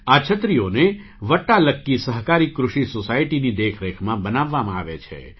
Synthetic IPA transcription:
at͡ʃʰət̪ɾijone | ʋəʈːaləkːisəɦkaɾikɾʊʃisosaiʈinid̪ekʰɾekʰmãbənaʋːamãa̰ʋet͡ʃʰḛ

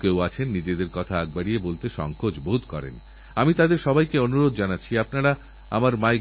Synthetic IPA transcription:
kewat͡ɕʰenːid͡ʑed̪eɾkɔt̪ʰaaɡ̚baɽijebolt̪eʃɔ̰ŋkod͡ʑbod̪kɔɾḛn | amit̪ad̪eɾʃɔbajkeonuɾod̪d͡ʑanatːt͡ɕʰiapnaɽa | a̰maɾmae

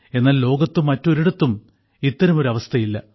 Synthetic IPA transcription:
e̞nːaːllo̞ːɡɐt̪ːumːɐtːo̞ɾiɽɐt̪ːum | it̪ːɐɾɐmo̞ɾuɐʋɐst̪ʰɐjilːɐ

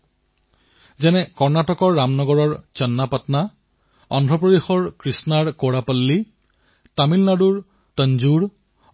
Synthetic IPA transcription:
zɛnɛkɔɹnatɔkɔɹːamnɔɡɔɹɔɹt͡ʃɔnːapatna | ɔndʱɹɔpɹɔdixɔɹkɹisnaɹkoɹapalːi | tamilnaduɹ | tənzuɹ

